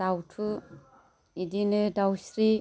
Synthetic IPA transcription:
awtʰu | idinɯdawsɾi

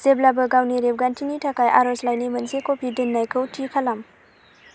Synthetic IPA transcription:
z̥eblabɯɡawniɾeb̚ɡantʰiŋitʰakajʔa̰ɾoslajnimɐnsekopʰidɯnːajkʰɯwtʰikʰalam

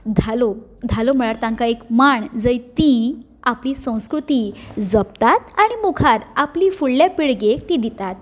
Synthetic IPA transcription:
d̪ʱalod̪ʱalom̤əɭaɾt̪ãŋkaekmaɳd͡zəjt̪i | apliːsə̃w̃skɾut̪id͡zəp̚t̪at̪aɽ̃imukʰaɾaplifuɭljapiɽɡekt̪id̪it̪at̪̚

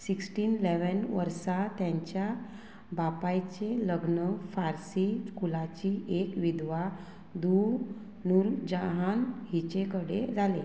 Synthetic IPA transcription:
siksʈiːnleʋənʋə̰ɾsat̪jaɲt͡ɕja | bapajt͡ɕeləɡnəfaɾsikulat͡ɕiʔekʋid̪ʋa | d̪u | nuld͡ʑəɦanɦit͡ɕekəɽḛd͡zʱale

